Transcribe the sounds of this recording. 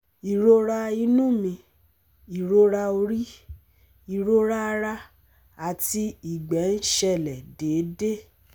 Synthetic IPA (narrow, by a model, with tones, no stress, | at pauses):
i˨ɾo˧ɾa˧i˧nũ˦˨mĩ˧ | i˨ɾo˧ɾa˧o˧ɾi˦ | i˨ɾo˦ɾa˦˧ɾa˧ | a˨ti˧i˨ɡ͡bɛ˨˦n̩˦ʃɛ˦˨lɛ˨de˨˦de˦